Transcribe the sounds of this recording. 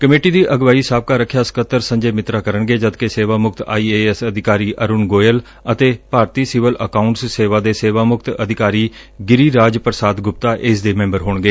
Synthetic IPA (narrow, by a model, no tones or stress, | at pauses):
kəmeːʈiːd̪iːʔəɡʋaːiːsaːb̚kaːɾəkʰjaːsə̥kət̪ːəɾsə̃ɲd͡ʒeːmɪt̪ɾaːkəɾəɳɡeːd͡ʒəd̪keseːʋaːmʊkt̪a̰ːiːeːsəd̪ʱɪkaːɾiːʔəɾʊnɡoːjəl | ət̪eːpaːɾt̪iːsiʋələkaːʊɳʈsseːʋaːd̪eːseːʋaːmʊkt̪əd̪ʱɪkaːɾiː | ɡɪɾiːɾaːd͡ʒpəɾsaːd̪ɡʊp̚t̪aːʔɪsd̪eːmɛ̃ːmbəɾɦoːɳɡeː